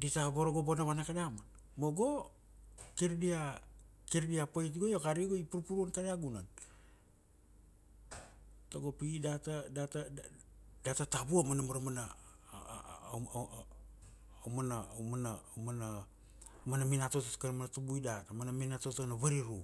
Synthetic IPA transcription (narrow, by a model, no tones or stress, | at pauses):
ditabo̞ɾoɡobonaβanakadama | moɡo̞ | kiɾdiakiɾdiapoit̬ɡojokaɾiɡoipuɾupuɾuonkaɾiaɡunan | toɡo̞piidatadata | datatabuamanamaɾamana | omanamanamana | manaminatototkanmanatubuidatamanaminatotonaβaɾiɾu